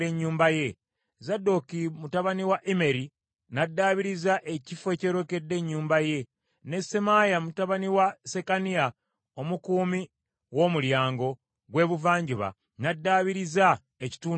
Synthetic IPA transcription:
eɲːuːmbaje̞ | zadːo̞kimutaβaniwaʔime̞ɾi | nadːaβiɾizaʔe̞cifoe̞ːceɾo̞ke̞dːe̞ɲːuːmbaje̞ | ne̞se̞majamutaβaniwase̞kania | o̞mukuːmi | wo̞muljaːŋɡo̞ | ɡwe̞ːβuvaːɲɟiβa̰ | nadːaːβiɾiza | eci̥tuː

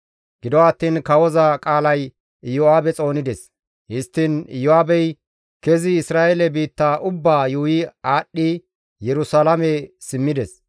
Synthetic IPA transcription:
ɡɪd̪ɔɐt̪ːiːnkɐwɔzɐkʼaːlɐj | jɔaːbɛt͡sʼo̞ːnɪd̪ɛs | hɪst̪ːɪnjɔaːbɛj | kɛzɪɪsɾaːʔɛlɛbiːt̪ːaːʔʊbːaːjuːjɪaːɗːɪ | jɛɾʊsalɐmɛsɪmːɪd̪ɛs

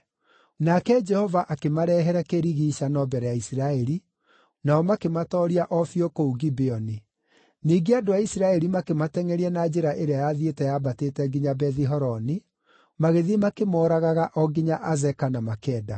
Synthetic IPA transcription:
nakɛd͡ʒɛhɔvaʔakemaɾɛɦɛɾɛkeɾiɣiːʃanɔbɛɾɛjaisiɾaɛɾi | naɔmakematɔɾiaʔɔfiɔkouɡibeɔni | niːɡeadoaisiɾaɛɾimakematɛŋɛɾiɛnad͡ʒeɾaʔeɾeajaðietɛjabateːtɛɡiɲabɛðiɦɔɾɔni | maɣeðimakemɔːɾaɣaɣaʔɔɡiɲaʔazɛkanamakɛːda

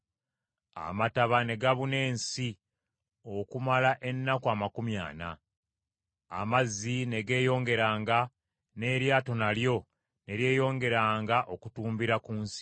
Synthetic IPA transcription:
a̰mataβane̞ɡaβune̞ːnsi | o̞kumalaʔe̞nːakwamakumja̰ːna̰ | mazine̞ɡe̞ːjo̞ːŋɡe̞ɾaːŋɡa | ne̞ɾjaːto̞naljo̞ | ne̞ɾje̞ːjo̞ːŋɡe̞ɾaːŋɡaʔo̞kutuːmbiɾakuːnsi̥

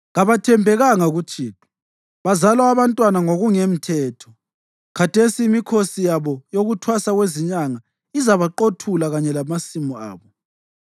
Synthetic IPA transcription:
ɣaβatʰɛmbʱɛɣaŋaɣut͡ʃʰʼiːtʼu̥ | βazalaaβantʼwanaŋoɣuŋem̩tʰɛːtʰɔ | kʰatʰesiːmikʰosijaβɔjoɣutʰwasaɣweziɲaŋa | izaβaǃotʰulaɣaɲɛlamasimɔa̰ːβɔ

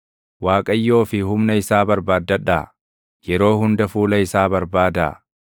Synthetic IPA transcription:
waːkʼɐjːo̞ːfɪhʊmnɐɪsaːbɐɾbaːd̪ːɐᶑːaː | jɛɾo̞ːhʊnd̪ɐfuːlɐɪsaːbɐɾbaːd̪a

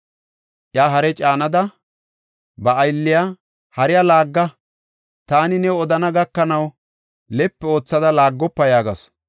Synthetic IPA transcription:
ʔjaːɦɐɾɛt͡ʃʼaːnɐd̪ɐ | bɐːjlːɪja | hɐɾɪjalaːɡːɐ | t̪aːnɪnɛɔd̪ɐnɐɡɐkːɐnɐw | lɛpːɛo̞ːt͡sːɐd̪ɐlaːɡːɔpːɐjaːɡɐ̰s

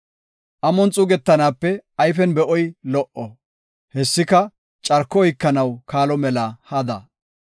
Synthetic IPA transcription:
ʔɐmɔnt͡sʼʊɡɛt̪ːɐnaːpːɛɐjfɛnbɛʔɔjlɔʔɔ | hɛsːɪkɐ | t͡ʃʼɐɾkːɔɔjkːɐnɐwkaːlɔmɛlɐhɐd̪ɐ̰

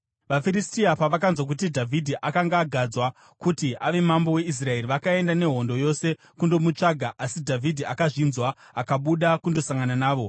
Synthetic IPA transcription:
ʋafiɾistiapaʋakanzwak̬utidʱavʱidʱiʔakaŋɡaːɡʱad͡zwa | kutiʔaʋe̞mambo̞we̞is̬rae̞riʋakae̞ndane̞ɦo̞ndo̞jo̞se̞ | kundo̞mut͡ʂaɡʱaʔasidʱavʱidʱiakaʐinzwa | akaɓuɗakundo̞saŋɡananaːʋo̞

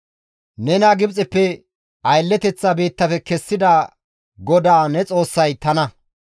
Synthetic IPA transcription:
nɛnaɡɪbt͡sʼɛpːɛ | ʔɐjlːɛt̪ɛt͡sːɐbeːt̪ːɐfɛkɛsːɪd̪aː | ɡɔd̪aːnɛt͡sʼo̞ːsːɐjt̪ɐnɐ

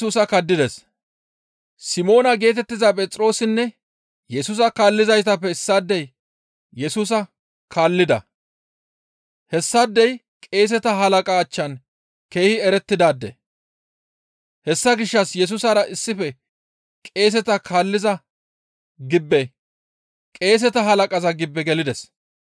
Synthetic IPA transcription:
uːsɐkɐd̪ːɪd̪ɛs | sɪmo̞ːnɐɡe̞ːt̪ɛt̪ːɪzɐpʼɛt͡sʼɾo̞ːsɪnːɛ | jɛsʊːs̬ɐkaːlːɪzɐjt̪̬ɐpːɛsːad̪ːɛj | jɛsuːs̬ɐ | kaːlːɪd̪ɐ̰ | hɛsːad̪ːɛj | kʼe̞ːs̬ɛt̪ɐɦɐlɐkʼaːt͡ʃːɐn | ke̞ːhɪɛɾɛt̪ːɪd̪aːd̪ːɛ̰ | hɛsːɐɡɪʃːɐsjɛs̬ʊsɐɾɐʔɪsːɪfɛ | kʼe̞ːs̬ɛt̪ɐkʰaːlːɪzɐ | ɡɪbːɛ | kʼe̞ːs̬ɛt̪ɐɦɐlɐkʼɐzɐɡɪbːɛɡɛlɪd̪ɛs

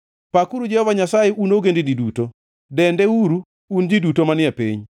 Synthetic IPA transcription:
pakuɾud͡ʒɛhɔvaɲasajeunoɡendid͡ʒiduto | dɛndɛuɾu | und͡ʒidutomanɪɛpeɲ

